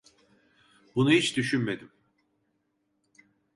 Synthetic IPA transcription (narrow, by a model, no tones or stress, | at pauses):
bunuhit͡ʃd̪yʃynme̞d̪im